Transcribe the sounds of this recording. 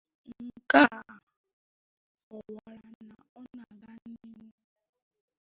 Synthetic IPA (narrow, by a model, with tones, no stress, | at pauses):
ŋ̩˨ka˦˨ | ɔ˨wa˨ɾa˨na˨ɔ˦na˨ɣa˦ni˦ŋu˦